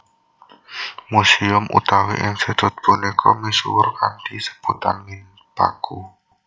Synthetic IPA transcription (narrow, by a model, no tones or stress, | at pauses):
musiʊmʔṵt̪awḛʔɪŋsed̪̥ʊ̤t̪̚b̥ṳnekʰɔmesṵwʊrkant̪isə̥b̥ut̪anŋɪn | pa̰ku